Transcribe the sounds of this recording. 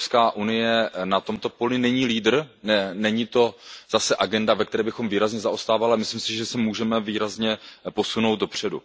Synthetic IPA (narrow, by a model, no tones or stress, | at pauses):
skaːʔunɪjɛnat̪o̞mt̪o̞po̞lɪnɛɲiːliːdr̩nɛnɛɲit̪o̞z̥asɛʔaɡɛndavɛk̚t̪ɛɾɛːbɪxo̞mviːɾazɲɛzaʔost̪aːvalamɪslimsɪʒɛsɛmuːʒɛmɛviːɾazɲɛpo̞suno̞wt̪̚do̞pr̝̥ɛdṵ